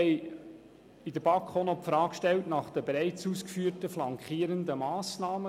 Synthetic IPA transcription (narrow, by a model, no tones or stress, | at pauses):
ɛɪ | idəb̥ɑkʰonopfɾɑːkʃtɛltnɑχd̥̪əbeɾæɪt͡suːskfyːɾtəflɑŋkχiːəɾənd̪əmɑːsnɑːmə